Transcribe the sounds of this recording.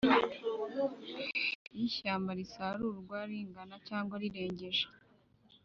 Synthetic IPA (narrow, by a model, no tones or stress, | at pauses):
iʃaːmbaɾisaɾuɾɡwaɾiːŋɡanacaːŋɡwaɾiɾe̞ːɲɟe̞ʒḁ